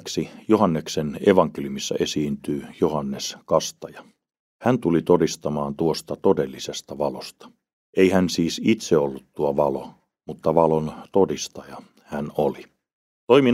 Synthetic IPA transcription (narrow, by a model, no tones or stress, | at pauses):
ksijohɑnːekseneʋɑŋkeljumisːɑ̰ʔesiːnt̪yːjohɑnːeskɑst̪ɑjɑ | hænt̪ulit̪odist̪ɑmɑːnt̪uost̪ɑt̪odelːisest̪ɑʋɑlost̪ɑ̥ | ʔeihænsiːsit̪seolːut̪tuoʋɑlo̰ | mut̪ːɑʋɑlont̪odist̪ɑjɑ | hænoli | t̪oimi